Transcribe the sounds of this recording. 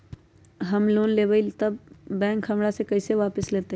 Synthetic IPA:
ɦɐmloːnleːbəilt̪ɐb̚ːɛ̃ːŋkʰɦɐmɽasekɐɪseʋaːpəsleːt̪e

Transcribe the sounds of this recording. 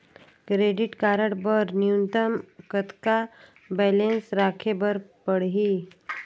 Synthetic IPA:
kɾeːɖɪʈkaːɾəɽbəɾniunt̪əmkət̪ka | bɛːlensɾaːkʰebəɾpəɽɦi

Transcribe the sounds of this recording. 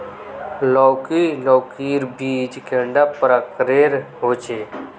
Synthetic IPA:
loːkiloːkiːɾbʱiːd͡ʒkeɳɖapɾakɾeːɾɦoːt͡ʃeː

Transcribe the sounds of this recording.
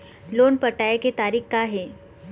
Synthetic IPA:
loːnpəʈajeket̪aɾiːxkaɦe

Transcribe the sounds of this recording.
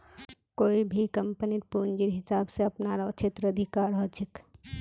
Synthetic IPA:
koːibʱikəmpənit̪̚pund͡ʒiɾɦɪsabseəpnaɾat͡ʃʰet̪ɾəəd̪ʱikaɾɦət͡ʃʰik

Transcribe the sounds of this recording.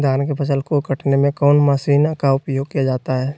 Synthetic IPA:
d̪ʱaːnkepʰət͡ʃəlkokəʈʰnemẽkɔːnmaʃiːnkaʊpjoːɡ̚kijad͡ʒaːt̪aɦɛː

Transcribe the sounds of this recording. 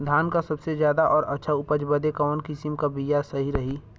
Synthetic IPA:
d̪ʱaːnkasɐbsezjaːd̪aʔɔːɾɐtːʃʰaʊpəd͡ʒbəd̪ekɔːnkɪsimkabijasɐɦiɾɐɦi

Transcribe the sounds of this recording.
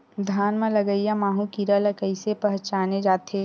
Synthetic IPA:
d̪ʱaːnmẽlɐɡəijamaːɦũkiɾələkəɪsepɐɦt͡ʃaːned͡ʒaːt̪e

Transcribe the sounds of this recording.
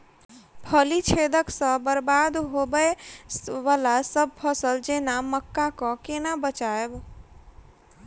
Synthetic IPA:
pʰəlit͡ʃʰed̪əksə̃bəɾbad̪ɦobə | ʋalasəb̚pʰəsəld͡ʒenaməkːakɔ̃kenabət͡ʃaeb

